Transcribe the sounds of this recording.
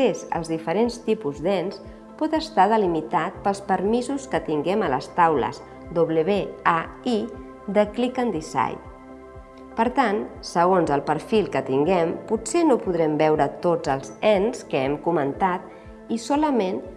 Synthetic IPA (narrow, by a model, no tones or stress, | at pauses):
ezə̰lˠzðifəɾenst̪ipuzd̪ɛns | pɔt̪əst̪að̞əlimit̪at̪̚pəlˠspəɾmizuskət̪iŋɡɛmələst̪awlə̰z | d̪oβləβeai | d̪əklikənd̪isa̰j | pəɾt̪ansəɣonzəlˠpəɾfilˠkət̪iŋɡɛmpusenopuðɾɛmbɛwɾət̪od͡zəlˠzɛnskəɛmkumənt̪at̪̚ | isɔləmen